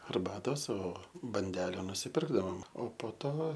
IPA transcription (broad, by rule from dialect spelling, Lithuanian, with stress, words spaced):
ɐrˈbɑːtoːs oː bɐnʲˈdʲæːlʲɛ nʊsʲɪˈpʲɪrɡdɐʋoːm oː poː ˈtoː